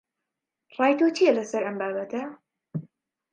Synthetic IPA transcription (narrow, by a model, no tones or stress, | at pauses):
rˤɑːjt̪ut͡ʃijɛlɐsɐɾɐmbaːbɐt̪ʰɐ